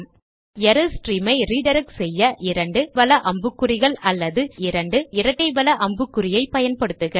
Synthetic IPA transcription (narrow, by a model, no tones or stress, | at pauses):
jɛɾɯsʈɾiːmɐɪɾiːɖɐɾɐksɛjːɐʔɪɾɐɳɖɯʋɐlɐʔɐmbɯkːɯɾɪɣɐɭɐlːɐðɯɪɾɐɳɖɯɪɾɐʈːɐɪbɐlɐʔɐmbɯkːɯɾɪjɐɪpɐjɐnpɐɽɯt̪ːɯɣɐ